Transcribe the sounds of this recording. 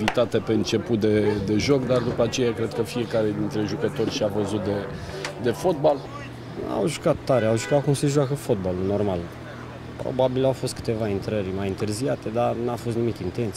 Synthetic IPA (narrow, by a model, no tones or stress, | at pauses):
vit̪at̪e̞peɨnt͡ʃe̞put̪̚d̪e̞d̪e̞ʒo̞kd̪ard̪upəat͡ʃe̞jakɾe̞d̪̚kəfie̞kaɾe̞d̪int̪ɾe̞ʒukət̪o̞rʲʃiavəzut̪̚d̪e̞ | d̪e̞fo̞t̪̚bal | a̰wʒukat̪ːaɾeawʒukat̪̚kumse̞ʒuakəfo̞t̪̚baluno̞rmal | pɾo̰babilawfo̞st̪̚kɨ̥t̪e̞vaint̪ɾərʲmajint̪ɨrziat̪e̞d̪anafo̞st̪nimikʲint̪e̞nt̪s